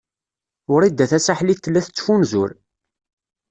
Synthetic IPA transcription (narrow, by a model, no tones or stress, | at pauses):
ʊɾid̪ːæθæsaħlit̪ːlːæθt͡sːfunzʊɾ